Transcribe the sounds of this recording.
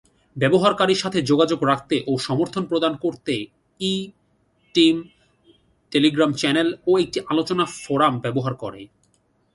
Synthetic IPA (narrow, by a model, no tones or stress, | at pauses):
bɛboɦaɾkaɾiɾʃat̪ʰed͡ʑoɡad͡ʑoɡɾak̚ʰt̪eʔoʃɔmoɾt̪ʰonpɾod̪ankoɾt̪e | i | ʈim | ʈeliɡɾamt͡ɕɛneloek̚ʈiʔalot͡ɕonafoɾambɛboɦaɾkoɾḛ